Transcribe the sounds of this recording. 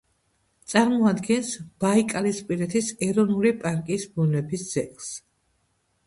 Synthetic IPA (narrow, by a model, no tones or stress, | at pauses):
t̪sʼaɾmɔad̪ɡɛnsb̥aikʼalispʼiɾɛt̪ʰisɛɾɔnulipʼaɾkʼisbunlɛbisz̥ɛ̰kʼs